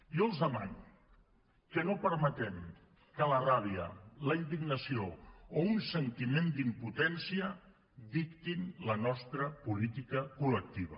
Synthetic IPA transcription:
olˠzðəman | kənopəɾmət̪ɛm | kələraβ̞iə̰ləind̪iɡnəsioounsənt̪imend̪imput̪ɛnsiə | ðikt̪inlənɔst̪ɾəpulit̪ikəkulək̚t̪iβ̞ə̰

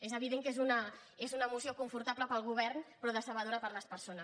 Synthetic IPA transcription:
ezəβ̞iðeŋkezunə | ezunəmusiokuɱfuɾt̪apləpəlˠɣuβɛɾrnpɾɔðəsəβəðoɾəpəɾləspəɾsonəs

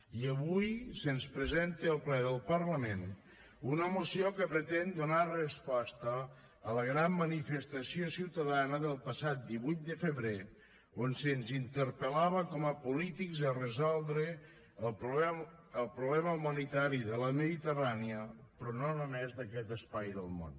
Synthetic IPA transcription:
iəβujsənspɾəzent̪eəlˠplɛðəlˠpərləmen | unəmusiokəpɾət̪ɛnd̪unarəspɔst̪əː | ləɣɾamːənifəst̪əsiosiwt̪əðanəðəlˠpəsat̪̚d̪iβujt̪̚d̪əfəβɾe | onsənzint̪əɾpəlaβəkɔməpulit̪ikzərəzɔlˠd̪ɾə | əlˠpɾuβlɛməumənit̪aɾiðələməðit̪əraniəpɾɔnonomezðəkɛt̪əspajðəlˠmo̰n

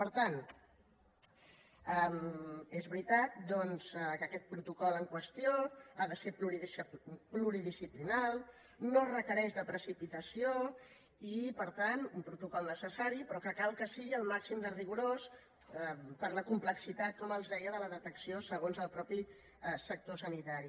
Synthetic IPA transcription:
pəɾt̪an | ɛmezβɾit̪at̪̚d̪ɔnz̥ɛkəkɛt̪̚pɾut̪ukɔləŋkwəst̪ioaðəsepluɾiðspluɾiðisiplinalˠ | norəkəɾɛʃðəpɾəsipit̪əsio | ipəɾt̪anumpɾut̪ukɔlˠnəsəsaɾipɾɔkəkalˠkəsiɣiəlˠmaksimd̪əriɣuɾos | pəɾləkumpləksit̪at̪̚kɔməlˠzðɛjəðələðət̪əksiosəɣ̞onzəlˠpɾɔpi | sək̚t̪osənit̪aɾi

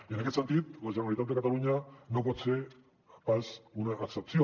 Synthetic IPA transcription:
ʝenekesant̪it̪ɣosaɾuaɾit̪at̪̬ekat̪aluɲanokot͡se | pasunaʔːksep̚t͡sio

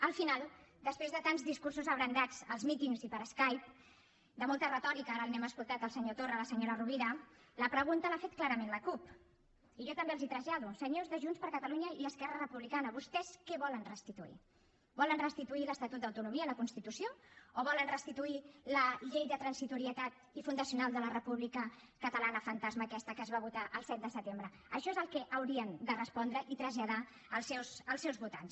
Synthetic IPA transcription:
əlˠfinalˠd̪əspɾezðət̪anzðiskuɾsuzəβɾənd̪ad͡zəlˠzmit̪iŋzipəɾəskajp̚ | d̪əmɔlˠt̪ərət̪ɔɾikaaɾənɛməskulˠt̪at̪əlˠsəɲot̪orələsəɲoɾəruβiɾə | ləpɾəɣ̞unt̪əlafet̪̚klaɾəmenləkup | iʒɔt̪əmbeəlzit̪ɾəʒaðusəɲozðəʒunspəɾkət̪əluɲəiəskɛrərəpuβlikanəβust̪ɛskɛβɔlənrəst̪it̪uḭ | bɔlənrəst̪it̪uiləst̪ət̪ut̪̚d̪əwt̪unumiələkunst̪it̪usijooβɔlənrəst̪it̪uiləʎejðət̪ɾənsit̪uɾiət̪at̪̚ | ifund̪əsiunalˠd̪ələrəpuβlikə | kət̪əlanəfənt̪azməːkɛst̪əkəːzβaβ̞ut̪aʔəlˠsɛt̪̚d̪əsət̪embɾə | əʃɔezəlˠkɛʔəwɾiənd̪ərəspɔnd̪ɾəʔit̪ɾəzʎað̞a | əlˠsɛwsəlˠsɛwzβut̪a̰ns

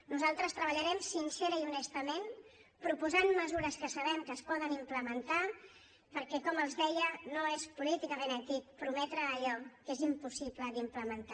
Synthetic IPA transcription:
nuzalˠt̪ɾəst̪ɾəβəʎəɾɛmsinsɛɾəiunɛst̪əmen | pɾupuzanməzuɾəskəsəβɛmkəːspɔðənimpləmənt̪a | pəɾkɛkɔməlˠzðɛjənoespulit̪ikəmenəkipɾumɛt̪ɾəːʎɔkezimpusipləðimpləmənt̪a

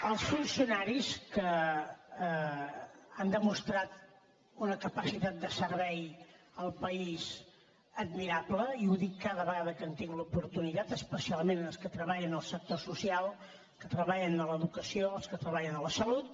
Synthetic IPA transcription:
əlˠsfunsiunaɾiskə | and̪əmust̪ɾat̪ | unəkəpəsit̪at̪̚d̪əsəɾβɛj | əlˠpəiz | əd̪miɾabləiuðikːaðəβəɣaðəkənt̪iŋɡlupuɾt̪unit̪at̪əspəsialˠmenənəlˠskət̪ɾəβ̞aʎənəlˠsək̚t̪osusialˠ | kət̪ɾəβaʎənələðukəsioəlˠskət̪ɾəβaʎənələsəlut̪̚

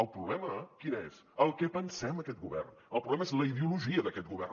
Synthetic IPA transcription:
əlˠpɾuβlɛməkinez | əlˠkɛpənsɛməkɛt̪̚ɡuβɛ̰rn | əlˠpɾuβlɛməezləiðiuluʒiəðəkɛt̪̚ɡuβɛ̰r

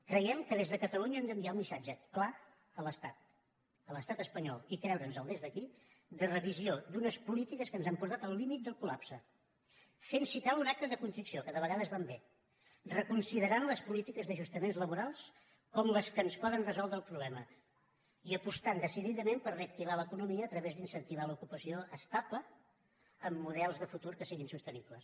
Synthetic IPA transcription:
kɾəjɛmkəðezðəkət̪əluɲəɛmd̪əmbiaunmisad͡ʒəkla | ələst̪at̪̚ | ələst̪at̪əspəɲɔ̰lˠikɾɛwɾənzəlˠd̪ezðəki | d̪ərəβiziod̪unəspulit̪ikəskənzampuɾt̪at̪əlˠlimit̪̚d̪əlˠkula̰psə | fensikalˠunak̚t̪əðəkunfɾiksiokəðəβəɣaðəzβambe | rəkunsiðəɾanləspulit̪ikəzðəʒust̪əmenzləβuɾalˠs | kɔmləskənspɔðənrəzɔlˠd̪ɾəlˠpɾuβlɛmə | iəpust̪and̪əsiðiðəmempərreək̚t̪iβ̞aləkunumiəːt̪ɾəβezðinsənt̪iβalukupəsioəst̪aplə | əmːuðɛlˠzðəfut̪uɾkəsiɣinsust̪ənibləs

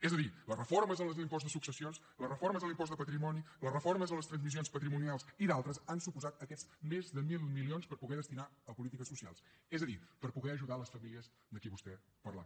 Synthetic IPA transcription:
ɛzəðiləsrəfoɾməzələzimpɔztd̪əsuksəsions | ləsrəfoɾməzəlimpɔst̪əpət̪ɾimɔnilərəfoɾməzələst̪ɾənzmisionspət̪ɾimunialˠsiðalˠt̪ɾəzansupuzat̪əkɛzmezðəmilˠmilionspəɾpuɣɛðəst̪inaəpulit̪ikəsusia̰lˠsɛzəðipəɾpuɣɛəʒuðaləsfəmiliəz | d̪əkiβust̪ɛ | pərla̰

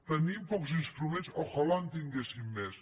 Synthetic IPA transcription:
t̪ənimpɔkzinst̪ɾumẽnsoxolant̪iŋɡesimːes

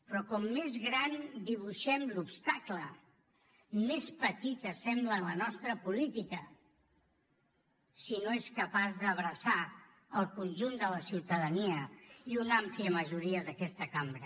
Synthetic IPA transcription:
pɾɔkɔmːezɣɾand̪iβ̞uʃɛmlupst̪aklə | mespət̪it̪əsɛmbləːlənɔst̪ɾəpulit̪ikə | sinoeskəpazðəβɾəsa | əlˠkunʲʒund̪ələsiwt̪əðəniəiunampliəməʒuɾiəðəkɛst̪əkambɾə

